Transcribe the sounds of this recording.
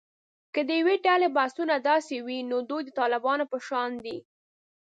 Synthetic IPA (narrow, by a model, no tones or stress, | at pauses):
kəd̪əjaweɖalebasunad̪ɑsewinod̪ojd̪ət̪ɑlɪbɑnopəʃɑnd̪i